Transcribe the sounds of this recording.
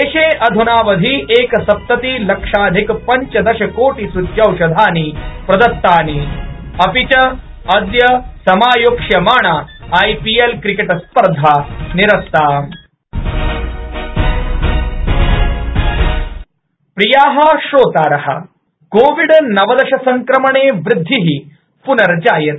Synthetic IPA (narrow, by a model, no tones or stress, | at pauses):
eːʃeːʔɐd̪ʱunaːʋɐd̪ʱiʔeːkɐsɐp̚t̪ɐt̪ilɐkʂaːd̪ʱikpɐɲt͡ʃɐd̪ɐʃɐkoːʈisut̪jɐwʃɐd̪ʱaːnipɾɐd̪ɐt̪ːaːniɐpit͡ʃɐ | ɐd̪jɐsɐmaːjokʂjɐmaːɳaːjpielkɾikeʈɐspɐɾd̪ʱaːniɾɐst̪aː | pɾijaːɦɐʃoːt̪aːɾɐɦɐ̰ | koːʋiɽnɐʋɐd̪ɐʃɐsɐŋkɾɐmɐɳeːʋɾɪd̪ʱːiɦi | punɐɾd͡ʒaːjɐt̪̚